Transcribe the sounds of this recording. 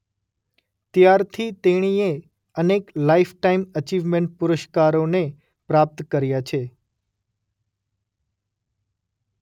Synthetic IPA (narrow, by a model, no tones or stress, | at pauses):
t̪jaɾt̪ʰit̪eɽ̃ie | əneklaifʰʈaimət͡ʃiʋmẽɳʈ̚pʊɾəʃkaɾone | pɾap̚t̪kəɾjat͡ʃʰe